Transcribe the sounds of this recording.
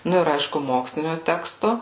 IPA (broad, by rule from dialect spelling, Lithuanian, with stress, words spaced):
ˈnʊ ɪr ˈɐɪʃkʊ ˈmoːksʲlʲɪnʲoː ˈtʲæːkstoː